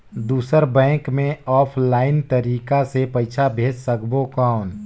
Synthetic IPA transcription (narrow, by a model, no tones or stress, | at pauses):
d̪uːsəɾbɛ̃ːkmẽɔːpʰlaːɪnt̪əɾiːkasepəɪt͡ʃʰabʱeːd͡ʒsəkbokaːʊn